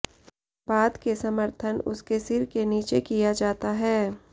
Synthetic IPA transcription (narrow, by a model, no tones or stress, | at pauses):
baːd̪kesɐməɾt̪ʰənʊskesɪɾkeniːt͡ʃekijad͡ʒaːt̪aɦɛː